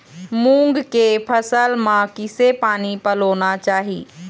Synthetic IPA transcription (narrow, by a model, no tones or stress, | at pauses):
mũːŋɡkepʰɐsəlmãkɪsepaːnipɐloːnat͡ʃaːɦiː